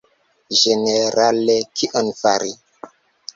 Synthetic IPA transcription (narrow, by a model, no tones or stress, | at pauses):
ʒeneɾalekʰiʔonfaɾi